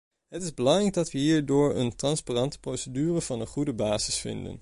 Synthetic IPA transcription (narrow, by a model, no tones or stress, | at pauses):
ɦətɪzbəlɑŋrɛjɡ̚dɑtʋəɦiːɹdʊːɹə̰ntrɑnsparɑntə̥prowsədyːrəvɑnənχudəbaːzɪsfɪ̰ndə̰n